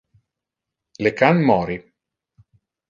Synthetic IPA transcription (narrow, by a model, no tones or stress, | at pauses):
lekanmɔːɾi